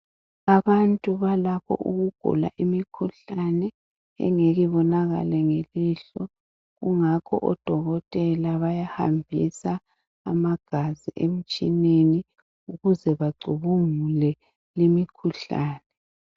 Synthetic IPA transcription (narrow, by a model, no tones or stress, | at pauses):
aβantʼuβalakʰɔ̰ʔṵɣuɡ̥ʱṵla̰ʔimikʰuɬanɛ | ɛ̰ŋeɣiβɔnaɣa̰lɛŋeliɬɔ | ɣuŋakʰɔ̰ʔɔd̥ʱɔɣɔtʼɛlaβajaha̰mbʱḭsa | a̰maɡ̥ʱaziʔem̩t͡ʃʼineni | uɣuzɛβaɡ͡ǀʱuβuŋulɛ | limikʰuɬaːnɛ